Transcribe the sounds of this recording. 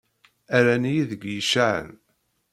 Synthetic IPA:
æɾænijiðəɡjəʃaʕə̰n

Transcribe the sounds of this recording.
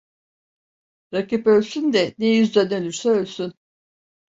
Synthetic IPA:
ɾakipø̞lʲsynd̪ɛnejyzd̪ænølʲyɾsɛølʲsyn

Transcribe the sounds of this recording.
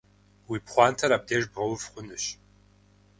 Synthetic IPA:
wipχʷaːnt̪ʰɐɾab̚d̪ɛʒbʁɐwvχʷʊnɨɕ

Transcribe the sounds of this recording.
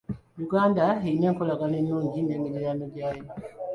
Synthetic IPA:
juɡaːndaeineŋkolaɡanenuːɲɟinemiɾijanoɟaːjo

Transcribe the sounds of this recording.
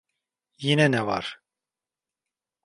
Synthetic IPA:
jinɛnɛva̰ɾ

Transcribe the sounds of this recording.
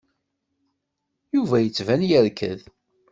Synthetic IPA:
juvæjət͡sːvænjəɾkʰə̰ð

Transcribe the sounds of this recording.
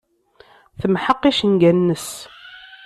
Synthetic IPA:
θəmħəqːiʃənɡænːəs

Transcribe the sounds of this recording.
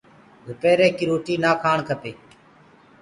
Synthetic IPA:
ɡʱʊpeːɾeːkiːɾoːʈiːnaːkʰaːɳkʰəpeː

